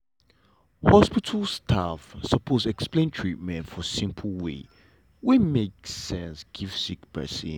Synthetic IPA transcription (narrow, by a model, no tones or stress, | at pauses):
hɔspitʰəl̩ˠstʰafsəpʰozɛksplẽntʰɹit̚mɛ̃ntfɔsĩmpʰəl̩ˠwḛ | wimeksɛ̃nsɡ̥iv̥sikpɛ̰sḭ